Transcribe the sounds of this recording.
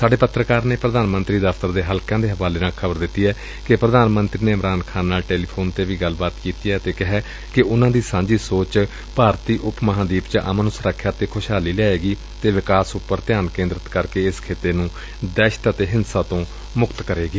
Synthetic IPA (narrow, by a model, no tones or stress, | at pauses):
saːɖeːpət̪ɾəkaːɾneːpɾəd̪aːnmənt̪ɾiːd̪əfʰt̪əɾd̪eːɦəlkãːd̪eːɦəʋaːleːnaːkʰəbəɾd̪ɪt̪ːiːɛː | kɪpɾəd̪aːnmənt̪ɾiːneːɪmɾaːnkʰaːnːaːlʈeːliːpʰoːnt̪eːʋiːɡəlbaːt̪kiːt̪iːɛːt̪eːkɪɦɛː | kɪʔʊnãːd̪iːsãːɲd͡ʒiːsoːt͡ʃ | paːɾt̪iːʔʊpməɦãːd̪iːpt͡ʃəʔə̰mənʊsɾəkʰːjaːt̪eːkʰʊʃɦaːliːlaːeːɡiː | t̪eːʋɪkaːsʊpːəɾt̪ɪjaːnkẽːnd̪ɾət̪kəɾkeːɪskʰeːt̪eːnũː | d̪ɛːʃt̪ət̪eːɦɪnsaːt̪õː | mʊkt̪kəɾeːɡiː